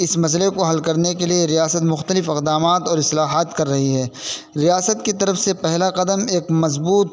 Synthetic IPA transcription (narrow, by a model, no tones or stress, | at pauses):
ɪsmɐs̬əlekoɦɐlkɐɾnekelieɾijaːsət̪mʊxt̪əlɪfɪqd̪aːmaːt̪ɔːɾɪslaːɦaːt̪kɐɾːɐɦiɦɛː | ɾijaːsət̪̚kit̪ɐɾəfsepɛɦlaqɐd̪əmeːkmɐzbuːt̪̚